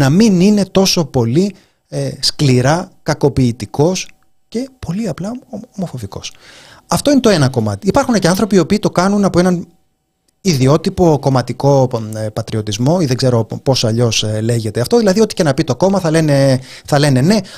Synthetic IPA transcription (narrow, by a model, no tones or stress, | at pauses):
nɐminine̞t̪o̞so̞po̞li | eskliɾɐkɐko̞piːt̪iko̞s | ce̞po̞liɐplɐomo̞fo̞viko̞̰sɐft̪oine̞t̪oe̞nɐko̞mɐ̰t̪iːpɐɾxuneceɐnθɾo̞piopiːt̪o̞kɐnunɐpo̞e̞nɐn | iðio̞t̪ipo̞ko̞mɐt̪iko̞pɐt̪ɾio̞t̪izmo̞iðeɡze̞ɾo̞po̞sɐʎo̞sle̞ʝe̞t̪e̞ɐft̪o̞ðilɐðiot̪i̥ce̞nɐpit̪o̞ko̞mɐθɐle̞ne̞θɐle̞ne̞ne̞